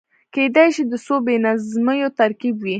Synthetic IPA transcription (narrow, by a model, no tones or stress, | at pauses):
ked̪ajʃid̪əsobenazməjot̪aɾkibwi